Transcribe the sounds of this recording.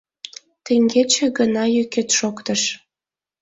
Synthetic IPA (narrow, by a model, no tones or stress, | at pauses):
t̪eŋɡet͡ɕĕɡənɑjyket̪ʃokt̪əʃ